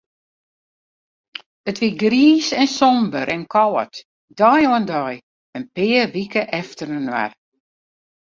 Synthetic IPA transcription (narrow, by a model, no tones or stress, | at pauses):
ətʋiɡriːsɛnsɔmbəɾʔɛnkʰɔwə̰t | dɔjoəndɔj | ənpɪːərʋikəʔɛftərənwa̰r